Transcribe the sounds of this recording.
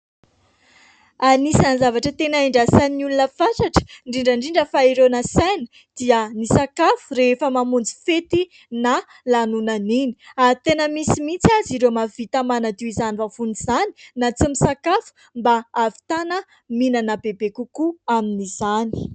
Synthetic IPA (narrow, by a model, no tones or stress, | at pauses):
aɾinisanizavaʈ͡ʂət̪enaeɳɖ͡ʐasaniulunəfaʈ͡ʂaʈ͡ʂə̥ɳɖ͡ʐiɳɖ͡ʐaɳɖ͡ʐiɳɖ͡ʐəfaiɾenasanə̥ | d̪̥iənisakafu̥reefəmamund͡zi̥fet̪i | na | lanunanini̥at̪enəmisimit͡saziɾemavit̪amanad̪iizanivafunizani̥nat͡simisakafu̥ | mbaːvi̥t̪anə | minanabebekukuaminiz̥ani̥